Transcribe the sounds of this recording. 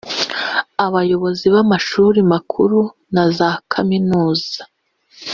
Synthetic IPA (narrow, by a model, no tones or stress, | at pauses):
aβajo̞βo̞ziβamaʃuːɾimakʰuɾunazaːkʰaminuːz̥ḁ